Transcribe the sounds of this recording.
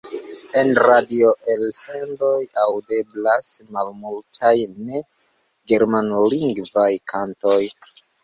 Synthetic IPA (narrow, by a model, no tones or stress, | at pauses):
e̞nɾadio̞ʔelsendo̞jawde̞blasmalmultʰajne̞ | ɡe̞ɾmanliŋɡvajkʰanto̞j